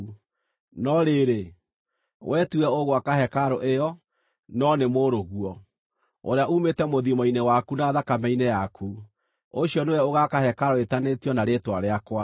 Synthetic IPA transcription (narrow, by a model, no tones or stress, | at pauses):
nɔɾeɾe | wʔɛtuɛoɣwakaɦɛkaɾoʔejɔ | nɔnemoɾoɣuɔ | o̰ɾeaumetɛmoðimɔinewakunaðakamɛinejakʰu | oɕiɔneɛoɣakahɛkaɾɔetanetiɔnaɾetwaɾeakwa